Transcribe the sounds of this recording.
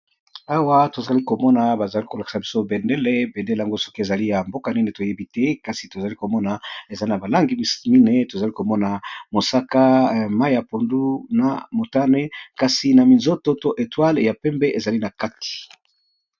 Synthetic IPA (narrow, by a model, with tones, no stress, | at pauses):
a˦wa˦to˨za˨li˦ko˨mɔ˦na˨ba˨za˨li˦ko˨la˨ki̥˨sa˨bi˦so˦be˨nde˦le˦be˨nde˦le˨a˦ŋɡo˦so̥˦ki˦e˨za˨li˦ja˨mbo˦ka˨ni˦ne˨to˨je˦bi˦tɛ˦ka˨si˨to˨za˨li˦ko˨mɔ˦na˨e˨za˦na˨ba˨la˦ŋɡi˨mi˦ne˨to˨za˨li˦ko˨mɔ˦na˨mo˨sa˦ka˦ma˦i˦ja˨po˨ndu˦na̰˨mo˨ta˦ne˦ka˨si˨na˨mi˨nzo˦to˦to˦ʔe˨twa˦lja˨pɛ˦mbɛ˦ʔe˨za˨li˦na˨ka˦ti̥˨